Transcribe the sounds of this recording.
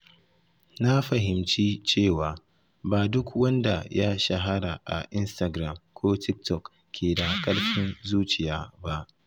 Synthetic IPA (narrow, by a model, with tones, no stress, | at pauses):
na˦ɸɐ˨ɦɪ˨mt͡ʃiː˦t͡ʃeː˦˨waː˨ | baː˨dʊ˦kwɐ˦nda˨ja˦ʃa˨ɦa˦ɽa˨ʔa̰˨ʔɪ˦nsta˨ɡɾa˨mkʷoː˦tʰɪ˦k̚tɔ˨k | kʲʰːeː˨da˨kʼɐ˦ɽɸɪ˦nzuː˦t͡ʃɪ˨jaː˦ba˦ʔ